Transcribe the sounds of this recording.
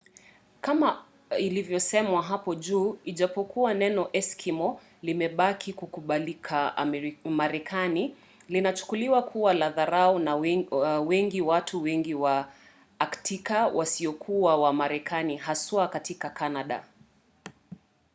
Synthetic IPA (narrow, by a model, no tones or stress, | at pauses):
kama | ilivjɔsɛmwaɦapɔʄuːiʄapɔkuwanɛnɔʔɛskʰimɔ | limɛɓakʰikukuɓalikʰa | maɾɛkʰani | linat͡ʃu̥kuliwakʰuwalaðaɾaɔnawɛŋɡiwatʰuwɛŋɡiwa | aktikawʔasiɔkʰuawamaɾɛkʰaniɦaswakatikakanaɗa̰